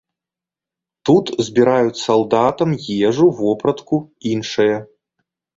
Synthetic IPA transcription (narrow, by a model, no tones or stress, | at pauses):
t̪ut̪zʲbʲiɾajut͡sʲsɐlˠd̪at̪ɐmjɛʐuvɔpɾɐt̪kuinʂɐjɐ